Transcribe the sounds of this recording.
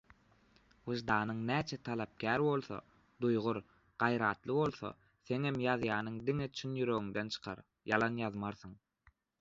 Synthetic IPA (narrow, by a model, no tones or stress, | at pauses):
wɯʒd̪ɑːnɯŋnæːt͡ʃʰet̪ʰɑlˠɑp̚kʲʰæːɾbo̞lˠθo̰ | d̪ujʁuɾ | ɢ̥ɑjɾɑːt̪lˠɯβo̞lˠθo̰ | θe̞ŋhemjɑðjɑːnɯŋd̪iŋet͡ʃʰynjyɾøɣyŋd̪ent͡ʃʰɯ̥qʰɑ̰ɾ | jɑlˠɑnjɑðmɑɾθɯŋ